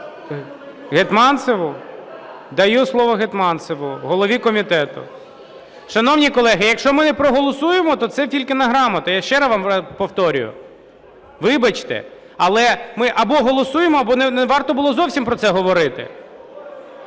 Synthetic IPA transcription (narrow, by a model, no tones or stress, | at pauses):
ɦet̪mɑnt̪seʋʊ | d̪ɐjuslˠɔʋɔɦet̪mɑnt̪seʋʊɦɔlˠɔʋʲikɔmʲit̪ɛt̪ʊ̰ | ʃɐnɔwnʲikɔlˠɛɦɪjɐkʃt͡ʃɔmɪnɛpɾɔɦɔlˠɔsujemɔt̪ɔt̪sɛtʲilʲkɪnɐɦɾɑmɐt̪ɐjaʃt͡ʃɛɾɐʋɑmpɔwt̪ɔɾʲʊ̰jʊ̰ | ʋɪbɐt͡ʃt̪ɛ̰ | ɐlˠɛmɪʔɐbɔɦɔlˠɔsujemɔɐbɔnɛnɛʋɑrt̪ɔbʊlˠɔzɔwsʲimpɾɔt̪sɛɦɔʋɔɾɪt̪ɪ̰